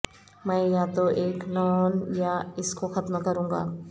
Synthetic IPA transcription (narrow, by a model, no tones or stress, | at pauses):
mɛ̃ːjat̪oʔeːknɔːnjaɪskoxɐt̪mkɐɾũːŋɡa̰ː